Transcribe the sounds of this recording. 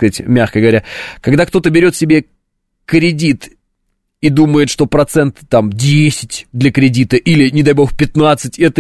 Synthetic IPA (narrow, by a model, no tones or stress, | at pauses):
kəzatʲmʲaxkəɡəvɐɾʲakɐɡ̚d̪akt̪o̞t̪əbʲɪɾʲo̞t̪sʲɪbʲe | kɾʲɪdʲit̪ | id̪uməjɪt̪ʂt̪o̞pɾɐt̪sɛnt̪ːamdʲesʲɪ̥tʲd̪lʲəkɾʲɪdʲit̪əʔilʲɪnʲɪd̪ɐjbo̞xpʲɪt̪nat̪sɨtʲɛt̪ə